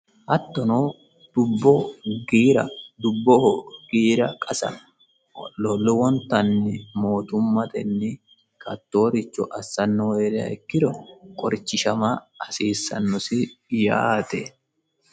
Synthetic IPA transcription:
ʔɐt̪ːɔnoː | d̪̥ʊbːɔɡiːɾɐ̰d̪ʊbːɔhɡ̥iːɾɐkʼɐsɐ̰ | lɔlʊwɔnt̪ɐnːɪmo̞ːt̪ʊmːɐt̪ɛ̰nːɪ | kɐt̪ːo̞ːɾɪt͡ʃːɔʔɐsːɐnːɔweːɾɪɐ̰ɪkːɪd̪ɔkʼɔɾt͡ʃːɪʃɐmɐ | ɐsiːsːɐ̰nːɔsɪja̰ːt̪ɛ

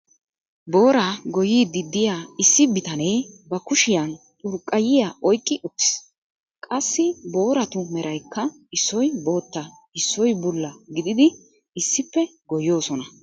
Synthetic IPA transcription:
bo̞ːɾaɡɔjiːd̪ɪd̪ːɪjaːɪsːɪbɪt̪ɐne̞ːbɐkʊʃɪjɐnt̪ʼʊɾkʼːɐjɪjaʔɔjkʼːɪʔʊt̪ːɪ̥s | kʼɐsːɪbo̞ːɾɐt̪ʊmɛɾʔɐjkːɐ | ɪsːɔjbo̞ːt̪ːɐ | ɪsːɔjbʊlːɐɡɪd̪ɪd̪ɪ | ɪsːɪpːɛɡɔjo̞ːsɔnɐ

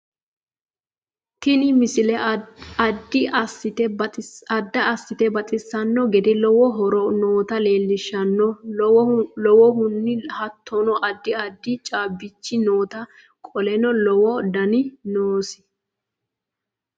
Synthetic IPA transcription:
t̪ɪnɪmɪsɪlɛɐd̪ːɪɐsːɪt̪ɛɐd̪ːɐɐsːɪt̪ɛbɐt̪ʼɪsːɐnːɔɡɛd̪ɛlɔwɔɦɔɾɔnoːt̪ɐle̞ːlːɪʃːɐnːɔ | lɔwɔɦʊnːɪhɐt̪ʰːɔnɔʔɐd̪ːɪɐd̪ːɪt͡ʃʼaːbːɪt͡ʃːɪnoːt̪ɐ | kʼɔlɛnɔlɔwɔd̪ɐnɪnoːsɪ̥

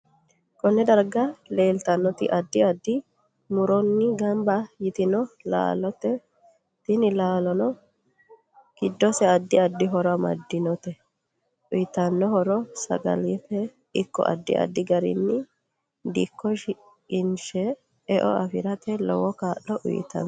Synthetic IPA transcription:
kɔnːɛd̪ɐɾɡɐleːlt̪ɐnːɔt̪ɪ̰ʔɐd̪ːɪɐd̪ːɪ | mʊɾɔnːɪɡɐmbɐjɪt̪ɪnɔla̰ːlɔt̪ɛ | t̪ɪnɪlaːlɔnɔ | ɡ̥ɪd̪ːɔsɛɐd̪ːɪɐd̪ːɪɦɔɾɔɐmɐ̰d̪ːɪnɔt̪ɛ | ʔʊjɪt̪ɐnːɔhɔɾɔsɐ̰ɡɐ̰lifɛ | ɪkːɔ̰ʔɐ̰d̪ːɪ̰ʔɐ̰d̪ːɪɡɐɾɪ̰nːɪ | d̪ḭkʰːɔʃɪ | kʼɪnʃɛː | ʔɔ̰ɐfɪɾɐt̪ɛlɔ̰wɔkaːʔːɔʔʊ̰jɪ̰t̪ɐ̰n

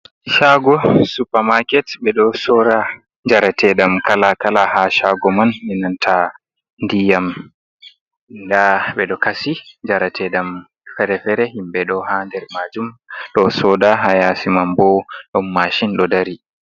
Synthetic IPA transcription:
ʃaɡɔsupamakɛtɓɛɗɔsɔɾa | ɲd͡ʒaɾatʰɛɗamkalakalahaʃaɡɔmanːinantʰa | ndijam | ndaɓɛɗɔkasiɲd͡ʒaɾatʰɛɗam | fɛɾɛfɛɾɛɦimɓɛɗɔhandɛɾmad͡ʒumɗɔsɔdaɦajasimambɔɗɔmːaʃinɗɔdaɾi

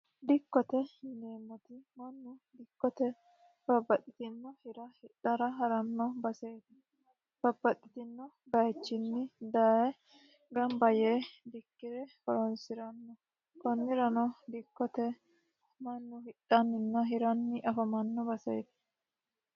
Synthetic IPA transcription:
d̪ɪkːɔt̪ɛleːmːɔt̪ɪmɐnːʊd̪ɪkːɔt̪ɛ | bɐbːɐt̪ʼːɪ̥t̪ɪnːɔhɪɾɐhɪᶑɐɾɐɦɐɾɐnːɐbɐsɛjt̪ɪ̥ | b̥ɐbːɐt̪ʼːɪ̥t̪ɪnːɔ | bɐjt͡ʃːɪnːɪd̪ɐɛ | ɡɐmbɐjed̪ɪkːɪɾɛhɔɾɔnsɪɾɐnːɔ | kɔnːɪɾɐnɔd̪ɪkːɔt̪ɛ | mɐnːʊhɪᶑɐnːɪnːɐɦɪɾɐnːɪʔɐfɐmɐnːɔbɐsɐ̰jt̪ɪ̥

